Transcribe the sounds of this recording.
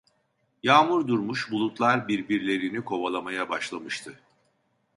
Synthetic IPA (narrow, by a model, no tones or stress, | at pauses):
jaːmuɾd̪uɾmuʃbulˠut̪lˠaɾbiɾbiɾlʲe̞ɾinikʰo̞βalˠamajabaʃlˠamɯʃt̪ʰɯ